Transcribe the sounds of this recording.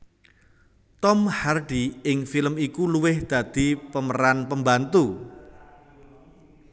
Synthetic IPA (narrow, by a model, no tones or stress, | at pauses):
t̪ɔmharɖiɪŋfilmikuluwɪhd̪̥ä̤d̪̥i̤pəməɾanpəmbant̪u